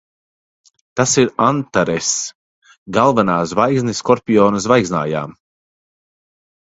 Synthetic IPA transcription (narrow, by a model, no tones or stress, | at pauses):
t̪asiɾant̪aɾɛs | ɡalˠvanaːsvajzniskɔɾpʲijɔːnɨs̬vajzna̰ːja̰ːm